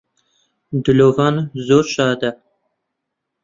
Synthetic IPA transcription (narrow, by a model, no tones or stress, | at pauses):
d̪ʊlovɑnzoɾʃɑːd̪a